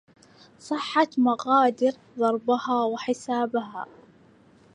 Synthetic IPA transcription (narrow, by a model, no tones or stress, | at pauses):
sˤɨħːat̪maɣaːd̪ɪɾ | ðˤɑɾˤbahaːwɪħɪsaːbaɦa̰ː